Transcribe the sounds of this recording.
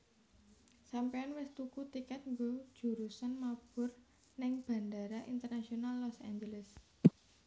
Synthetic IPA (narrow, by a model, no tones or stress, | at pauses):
sampeanwɪst̪ukut̪ikɛt̪̚ŋɡod̥ʒ̥ṳɾusanmab̥ʊ̤r | nɪŋb̥ä̤ndaɾaʔint̪ərnasionalːɔsa̰ɲd͡ʒələs